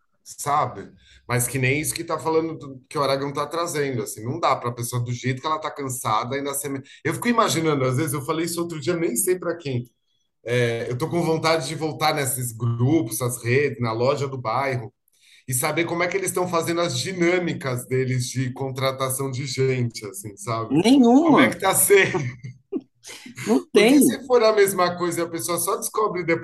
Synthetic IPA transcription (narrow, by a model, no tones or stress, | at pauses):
sabɪ | mɐskɪnẽj̃isʊ̥kɪt̪afalɐ̃nd̪ʊkɪʊaɾaɡɐ̃w̃t̪at̪ɾazẽnd̪ʊasĩnɐ̃w̃d̪apɾɐpesoɐd̪ʊʒejt̪ʊkɪɛlɐt̪akɐ̃sad̪ɐaĩnd̪ɐsẽmeewfi̥kʊimaʒinɐ̃nd̪ʊazvezɪzewfalejisʊowt̪ɾʊd͡ʒiɐnẽj̃sejpɾɐkẽj̃ | ɛewt̪okõvõnt̪ad͡ʒɪd͡ʒɪvowt̪aɾnesɪzɡɾupʊzɐzhed͡ʒɪznɐlɔʒɐd̪ʊbajɦʊ | ɪsabeɾkõmʊɛkɪelɪst̪ɐ̃w̃fazẽnd̪ʊɐzd͡ʒinɐ̃mikɐzd̪elɪzd͡ʒɪkõnt̪ɾat̪asɐ̃w̃d͡ʒɪʒẽt͡ʃɪasĩsabɪnẽj̃ũkõmɛkɪ̥t̪ase | ũt̪ɾekɪsɪfoɾɐmezmɐkojzɐɪɐpesoɐsɔd͡ʒɪskɔbɾɪd̪ep